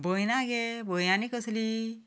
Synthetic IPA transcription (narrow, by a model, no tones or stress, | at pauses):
bojnaɡebojnanikəsli